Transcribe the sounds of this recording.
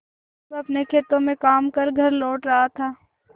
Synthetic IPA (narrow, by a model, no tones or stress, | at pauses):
ɐpnekʰeːt̪õmẽkaːmkɐɾɡʱɐɾlɔːʈɾɐɦat̪ʰaː